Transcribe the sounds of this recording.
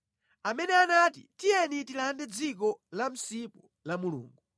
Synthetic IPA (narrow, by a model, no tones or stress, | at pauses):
amɛnɛanaːtḭtijɛnitilandɛd͡zik̬ɔlam̩sipɔ | lamulṵːŋɡu